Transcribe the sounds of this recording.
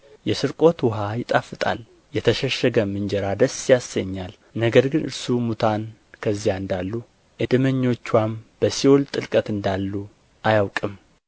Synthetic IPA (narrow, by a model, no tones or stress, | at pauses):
jɛsɨɾkʼo̞t̪wɔɦajɪt̪ʼafɨt̪ʼa̰l | jɛt̪ʰəʃəʃəɡəmɨnd͡ʒɛɾad̪əsjasːəɲːal | nəɡəɾɡɨnɨ̰ɾsumut̪ʰankʰəzːijaɨnd̪alːu | ʔɨd̪ɨməɲːo̞t͡ʃːwamb̥əsiwolt̪ʼɨlkʼət̪ɨnd̪alːu | ʔajawkʼɨm